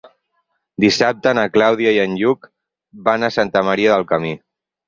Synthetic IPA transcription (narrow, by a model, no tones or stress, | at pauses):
d̪isap̚t̪ənəklawð̞iaiənʎuk | banəsant̪əməɾiəðəlˠkəmi